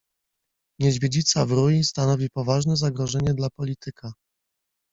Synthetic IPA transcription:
ɲɛʑvʲjed͡ʑit̪savɾujist̪anɔvʲipɔvaʐnɛzaɡɾɔʐɛɲɛd̪lapɔlʲit̪ʰɘkʰa

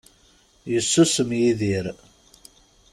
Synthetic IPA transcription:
jəsːusəmjiðiɾ

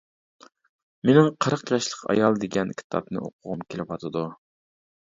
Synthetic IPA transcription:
menɪŋqʰəɾəqjɑʃlˠəqʰɑ̰jɑlˠd̪eɡʲɛnkʲʰi̥t̪ʰɑ̰pnɨ̰ʔo̰qʰʊʁumkʲʰelɪwɑt̪ʰɨd̪u

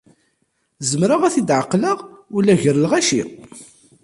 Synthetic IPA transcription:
zəmɾaʁæθid̪ʕəqːləʁʊlːæʝəɾəlʁæʃḭ

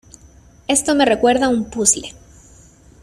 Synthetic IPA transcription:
e̞st̪o̞me̞re̞kwe̞ɾðaumpusle̥

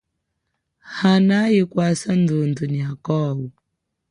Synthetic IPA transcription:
hanajikwasandunduniakɔːbu

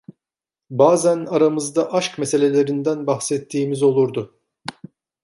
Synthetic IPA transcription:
baːzænaɾamɯzd̪aʔaʃkmese̞lʲe̞lʲe̞ɾind̪ænbaxsɛt̪ʰːiːmizo̞lˠuɾd̪ʊ

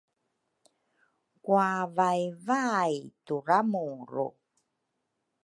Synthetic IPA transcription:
kuavajvajtuɾamuɾṵ

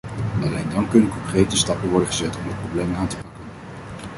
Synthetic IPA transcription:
nɑlejndɑnkɵnənkɔŋkrejtəstɑpənʋɔɹdənχəzɛtɔmdət̚problejmaːntəpɑkən

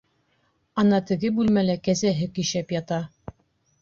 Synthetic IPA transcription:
ɑnɑt̪ɘ̆ɡɘbʉlmælækæzæɦɘkiʃæpjɑt̪ɑ

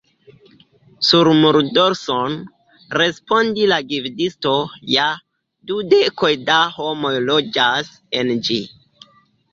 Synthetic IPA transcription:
suɾmuɾdo̞ɾson | ɾe̞spo̞ndilaɡivdisto̞ja | dude̞ko̞jdaho̞mo̞jlo̞d͡ʒas | e̞nd͡ʒi

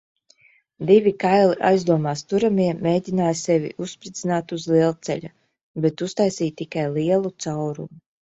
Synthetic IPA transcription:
d̪ivʲikajlˠiʔa̰jzd̪uɔmaːst̪uɾamʲiɛmeːd̪ʲinaːjsɛvʲḭʔuspɾit̪sinaːt̪uzlˠiɛlˠt̪sɛ̰ʎa | bɛt̪ust̪ajsiːt̪ːikajlˠiɛlˠut̪sawɾṵmu

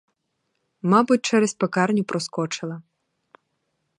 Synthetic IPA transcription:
mɑbʊt̚ʲt͡ʃɛɾɛsʲpekɑrnʲʊpɾɔskɔt͡ʃɪlˠɐ

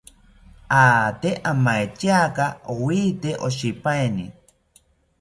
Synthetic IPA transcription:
aːt̪eʔamaet͡ʃ̪jakaowiːt̪eʔoʃipaeni

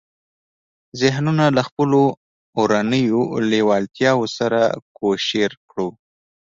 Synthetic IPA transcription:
zɪɦnunalaxpəloː | ɾanəjolewɑlt̪jɑwosaɾa̰koʃeɾkɽu

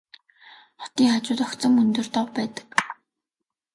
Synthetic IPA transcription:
χɔt̪iːŋχat͡ɕʊːt̪ɔkt͡sə̆mɵnt̪ɵ̆rt̪ɔwpæːt̪ə̥̆k

